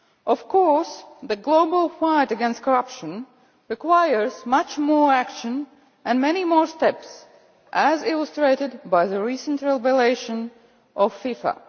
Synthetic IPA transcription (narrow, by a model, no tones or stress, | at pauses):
ʔɔv̥kʰɔɹsðɨɡloʊbəl̩ˠfãɪtɨɡɛ̃nst̚kʰəɹʌpʃə̃n | ɹɨkwaɪə˞zmʌt͡ʃmɔɹækʃɨ̃n | ʔɨ̃nmɛnimɔɹstɛps | ʔæzɪlˠəstɹ̥eɪɾɨdbaɪðəɹisə̃ntɹɛbɛleɪʃə̃n | ʔɔv̥fifə̰